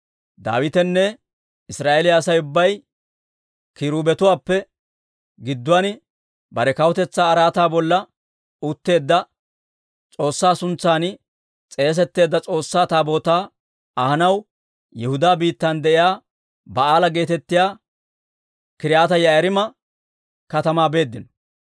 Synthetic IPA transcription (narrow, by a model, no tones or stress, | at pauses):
d̪a̰ːwɪt̪ɛnːɛ | ɪsɾaːʔelɪjaːsɐjʊbːɐj | kɪɾuːbɛt̪ʊwaːpːɛ | ɡɪd̪ːʊwɐn | bɐɾɛkɐwɔt̪ɛt͡sːaːɾaːt̪aːbɔlːɐ | ʊt̪ːe̞ːd̪ːɐ | t͡sʼo̞ːsːaːsʊnt͡sːaːn | t͡sʼe̞ːs̬ɛt̪ːe̞ːd̪ːɐt͡sʼo̞ːsːaːt̪aːbo̞ːt̪aː | ɐhɐnɐw | jɛhʊd̪aːbiːt̪ːɐnd̪ɛʔɪjaː | bɐaːlɐɡe̞ːt̪ɛt̪ːɪjaː | kɪɾɪjaːt̪ɐjɐjɐɾɪmɐ | kɐt̪ɐmaːbe̞ːd̪ːɪnɔ̥